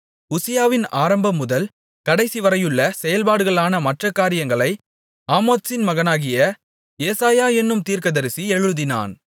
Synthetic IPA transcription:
ʊsɪjaːʋɪna̰ːɾɐmbɐmːʊðɐl | kɐɽɐɪsiʋɐɾɐjɯɭːɐsɛjɐlpaːɽɯɣɐɭaːnɐmɐʈrɐkːaːɾɪjɐŋɡɐɭɐɪ | aːmoːt̪sɪnmɐɣɐnaːɣɪjɐ | jeːsaːjaːɛnːɯmt̪iːrkɐðɐɾɪsiɛɻɯðɪna̰ːn

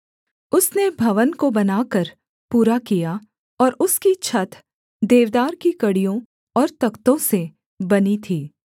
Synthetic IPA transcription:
ʊsnebʱɐʋənkobɐnaːkəɾ | puːɾakija | ɔːɾʊskit͡ʃʰɐt̪ | d̪eːʋd̪aːɾkikɐɽijõ | ɔːɾt̪ɐkt̪õse | bɐnit̪ʰiː

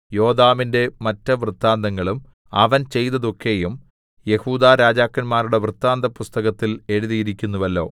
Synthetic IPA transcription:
jo̞ːd̪aːminde̞mɐtːɐʋrɨt̪ːaːnd̪ɐŋːɐɭum | ɐʋɐnt͡ɕe̞jt̪ːɐðo̞kːe̞jum | je̞huːd̪aːɾaːd͡ʑaːkːɐnmaːɾuɽe̞ʋrɨt̪ːaːnd̪ɐpust̪ɐɣɐt̪ːile̞ɻuðijiɾikʲːunːuʋɐlːo̞ː

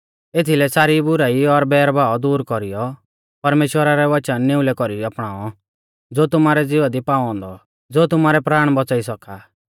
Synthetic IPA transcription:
et̪ʰilɛsaːɾibʊɾaːiɔɾbɛːɾbaːɔd̪uːɾkɔɾijɔ | pɐɾmeːʃwəɾaɾɛʋɐt͡ʃənːɪ̃ʊ̃lɛkɔɾiiapɽ̃aːɔ | d͡zoːt̪ʊmaːɾɛd͡zɪʋad̪ipaːɔ̃ːnd̪ɔ | d͡zoːt̪ʊmaːɾɛpɾaːɽ̃bɔt͡saːisɔkaː

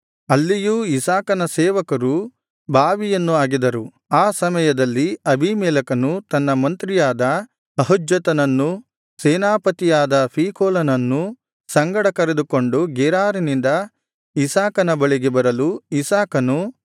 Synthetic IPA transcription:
ɐlːijuːisaːkɐnɐsɛːʋɐkɐɾu | bʱaːʋijɐnːuaːɡid̪ɐɾu | aːsɐmɐjɐd̪ɐlːiɐbʱimɛːlɐkɐnut̪ɐnːɐmɐnt̪ɾijaːd̪ɐ | ɐɦud͡ʒjɐt̪ɐnɐnːu | sɛːnaːpɐt̪ijaːd̪ɐpʰiːkʰoːlɐnɐnːu | sɐŋɡɐɽɐkɐɾed̪uko̞ɳɖuɡɛɾaːɾinind̪ɐ | isaːkɐnɐbɐɭiɡebɐɾɐluisaːkɐnu

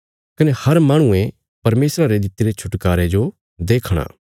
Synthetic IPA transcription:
kɐnehɐɾmaːɽ̃ũẽ | pɐɾmeːsɾaɾed̪ɪt̪iɾet͡ʃʰʊʈkaːɾed͡ʒo | d̪eːkʰɽ̃a̰ː

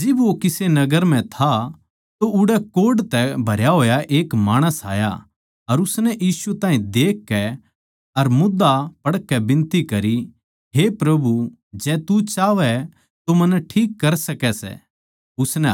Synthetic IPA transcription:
d͡ʒɪbʋokɪsenɐɡəɾm̤ɛ̃t̪ʰa | t̪oʊɽɛkoːɖt̪ɛbʱɐɾjaɦoːjaʔeːkmaːɽ̃əsa̰ːja̰ | ɐɾʊsnɛʔiːsut̪ãːɦĩd̪eːkːɛ | ɐɾmʊd̪apɐɽkːɛbɪ̃nt̪ikɐɾi | ɦepɾɐbu | d͡ʒɛːt̪ut͡ʃaːʋɛ | t̪omɐnɛʈʰiːkːɐɾsɐkɛsɛ̰ | ʊsnɛ

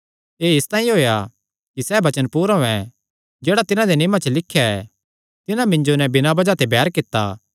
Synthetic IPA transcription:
eːɪst̪ãːĩɦoːja | kisɛːbɐt͡ʃənpuːɾɦoɛ̃ | d͡ʒeːɽat̪ɪnãd̪enɪːmat͡ʃəlɪkʰːjaɛ | t̪ɪnãmɪ̃ɲd͡ʒonɛbɪnabɐd͡ʒat̪ebɛːɾkɪt̪ːa̰ː

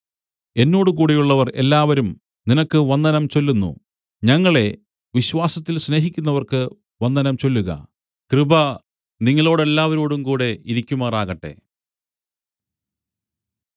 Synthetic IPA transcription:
e̞nːo̞ːɽɨk̬uːɽejuɭːɐʋɐre̞̰lːaːʋɐɾum | ninɐkːɨʋɐnd̪ɐnɐmt͡ɕo̞lːunːṵ | ɲɐŋːɐɭe̞ | ʋiɕʋaːsɐt̪ːilɕne̞ːɦikʲːunːɐʋɐrkɨ | ʋɐnd̪ɐnɐmt͡ɕo̞lːuɣɐ̰ | krɨbɐ | niŋːɐɭo̞ːɽe̞lːaːʋɐɾoːɽumkuːɽe̞iɾikʲːumaːraːɣɐʈːe̞̰

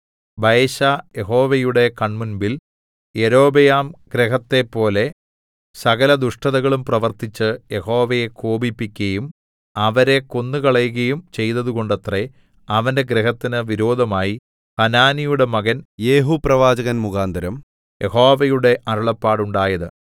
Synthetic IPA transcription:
bɐjɕajeɦo̞ːʋɐjuɽe̞kɐɳmunbil | jeɾo̞ːbɐjaːmɡɾeɦɐt̪ːe̞pːo̞ːle̞ | sɐɣɐlɐd̪uʂʈɐðɐɣɐɭumprɐʋɐrt̪it͡ɕːɨjeho̞ːʋɐjekoːbipːikʲːɐjum | ɐʋɐɾe̞ko̞nːɨkɐɭɐjuɣɐjumt͡ɕe̞jt̪ɐðuɣo̞ɳɖɐt̪re | ɐʋɐnde̞ɡɾeɦɐt̪ːinɨʋiɾo̞ːd̪ʱɐmaːji | hɐnaːnijuɽe̞mɐɣɐnjeːɦuprɐʋaːd͡ʑɐɣɐnmuɣaːnd̪ʱɐɾɐm | je̞ho̞ːʋɐjuɽe̞ʔɐɾɐɭɐpːaːɽuɳɖaːjɐðɨ

